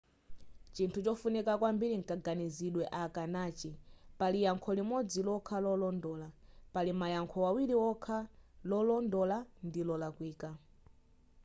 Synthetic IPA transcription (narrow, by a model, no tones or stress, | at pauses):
t͡ʃintʰut͡ʃɔfunikakwambiɾiŋkaɡaniziɗwɛʔakanaːt͡ʃipalijaŋkʰɔlimɔd͡zilɔkʰalɔlɔndɔːlapalimajaŋkʰɔwawiɾiwɔkʰalɔlɔndɔlandilɔlakwiːka